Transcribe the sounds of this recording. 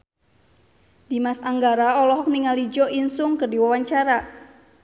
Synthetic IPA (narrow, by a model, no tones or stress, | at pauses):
d̥imasaŋɡaɾaɔlɔɦɔk̚niŋalid͡ʒɔʔinsʊŋkɨrdiwawaɲt͡ʃaɾa